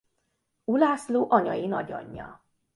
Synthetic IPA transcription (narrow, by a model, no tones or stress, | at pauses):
ulaːsloːʔɒɲɒjinɒɟɒ̰ɲːɒ̰